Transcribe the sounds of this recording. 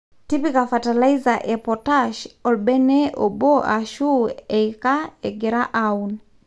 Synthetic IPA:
tipikafatalaizaʔɛpɔtaʃɔlbɛnɛɔbɔʔaʃuɛjkaɛɡɛɾaʔaun

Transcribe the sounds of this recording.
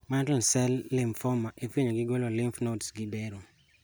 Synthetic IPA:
mantɔnsɛlːɪmfɔmaʔefiɲoɡɪɡwɛlɔlɪmfnotsɡɪbɛɾo

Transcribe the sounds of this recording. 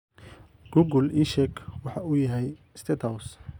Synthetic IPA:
ɡ̥uɡʊliʃɛkʰwɑħɑʊjɐɦɛj | st̪ʰɛt̪ʰɐws

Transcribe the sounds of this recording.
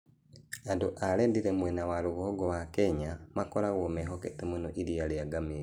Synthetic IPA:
aduʔalendiɾemwenawaluɣuhoɡowakeɲamakoɾaɣomeɦoketemunoʔiɾialeaɡami

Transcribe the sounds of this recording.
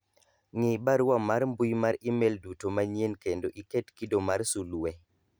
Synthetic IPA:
ŋibaɾamaɾmbujmaɾimeldutomaɲjenkendoʔiketkidomarsuluwe

